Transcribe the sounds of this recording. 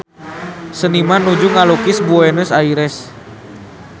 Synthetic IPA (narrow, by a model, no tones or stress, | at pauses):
sənimanud͡ʒuŋalokisbuɛnusaiɾɛs